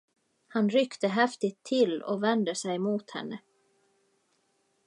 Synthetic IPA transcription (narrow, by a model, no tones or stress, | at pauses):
hanɾʏkt̪əɦɛft̪ɪt̪ʰːɪlːɔ̰vɛnd̪əsɛjmuːt̪hɛ̰nːə